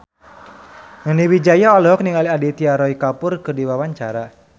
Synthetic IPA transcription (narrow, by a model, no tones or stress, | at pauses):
ŋəniwid͡ʒajaɔlɔɦɔk̚niŋaliadit̪iaɾɔikapʊrkɨrdiwawaɲt͡ʃaɾa